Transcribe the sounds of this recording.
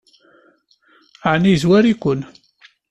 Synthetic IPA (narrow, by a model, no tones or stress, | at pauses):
aʕnizwæɾikʷʊn